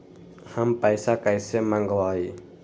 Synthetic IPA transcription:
həmpəjsakajsemãŋɡwaːi

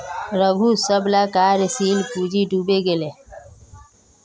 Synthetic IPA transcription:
ɾəbʱusəblaːkaːɾsiːlpuːd͡ʒʱiɖʱuːbeɡele

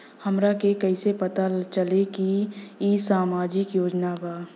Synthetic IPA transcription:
həmɾakekɐisepɐt̪at͡ʃəlekiisaːmaːd͡ʒɪkjoːd͡ʒnabaː

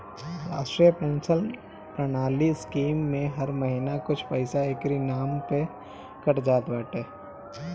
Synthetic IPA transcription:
ɾa̰ːsʈɾijəpẽːnsəl | pɾənaːliskiːmːẽɦɐɾməɦinakʊt͡ʃʰpəɪsaeːkɾinaːmpe | kɐʈd͡ʒaːt̪bəːʈeː

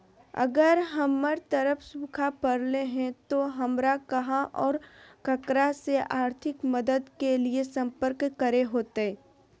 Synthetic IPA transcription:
ɐ̰ɡəɾɦɐmːəɾt̪əɾəpʰsũkʰapəɾleɦɛ̃t̪oɦɐmɾakɐɦãʔɔːɾkəkɾaseʔaːɾt̪ʰɪkməd̪əd̪keliesɐ̃mpəɾkːəɾeɦoːt̪eɛ

